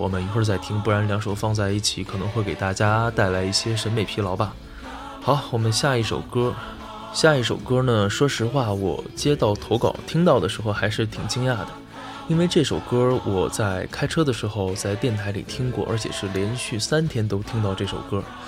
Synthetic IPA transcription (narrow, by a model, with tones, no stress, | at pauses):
wɔ̰˨˩mə˦ni˨˩xə˥˧t͡sa˥˧ɪt̪ʰi˥ŋpu˥˩ɻa˧˥nljɑ˧˥ŋʂo˨˩ʊfɑ˥˧ŋt͡sa˥˧ɪi˥˩t͡ɕʰi˧˥kʰɤ˨˩nɤ˧˥ŋxwe˥˩ɪke˨˩ɪt̪a˥˩t͡ɕja˥t̪a˥˩ɪla˧˥ɪi˥˩ɕjɛ˥ʂə˧˥nme˨˩ɪpʰi˧˥lɑ˧˥ʊpa˨˩ | xɑ˧˥ʊwɔ˨˩mə˦nɕja˥˧i˥˩ʂo̰˨˩ʊkɤ˥ | ɕja˥˧i˥˩ʂo˨˩ʊkɤ˥nə˨ʂwɔ˥ʂɻ̩˧˥xwa˥˩wɔ̰˨˩t͡ɕjɛ˥t̪ɑ˥˩ʊt̪ʰo˧˥ʊkɑ̰˨˩ʊt̪ʰi˥ŋt̪ɑ˥˩ʊd̪ə˩ʂɻ̩˧˥xo˥˧ʊxa˧˥ɪʂɻ̩˥˩t̪ʰi˨˩ŋt͡ɕi˥ŋja˥˩d̪ə˩ | i˥nwe˥˧ɪʈ͡ʂɤ˥˩ʂo˨˩ʊkɤ˥wʔɔ˨˩t͡sa˥˩ɪkʰa˥ɪʈ͡ʂʰɤ˥d̪ə˨ʂɻ̩˧˥xo˥˧ʊt͡sa˥˧ɪt̪jɛ˥˩nt̪ʰa˧˥ɪlḭ˨˩t̪ʰi˥ŋkwɔ̰˥˩ʔə̰˞˧˥t͡ɕʰjɛ̰˨˩ʂɻ̩˥˩ljɛ˧˥nɕy˥˩sa˥nt̪ʰjɛ˥nt̪o˥ʊt̪ʰi˥ŋt̪ɑ˥˧ʊʈ͡ʂɤ˥˩ʂo˨˩ʊkɤ˥